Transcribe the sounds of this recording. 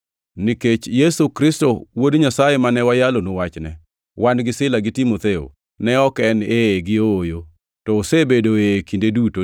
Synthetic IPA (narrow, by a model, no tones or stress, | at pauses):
niket͡ʃjesukɾɪstɔwodɲasajemanɛwajalonowat͡ʃnɛ | wanɡɪsɪlaɡɪtimot̪eo̰ | nɛɔkɛneɡɪoːjo | tɔːsebedoekindeduto